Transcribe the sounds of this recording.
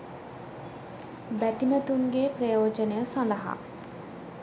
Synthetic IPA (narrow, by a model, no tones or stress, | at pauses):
bæt̪imət̪uŋɡeːprəjoːd͡ʒənejəsanlɐɦa̰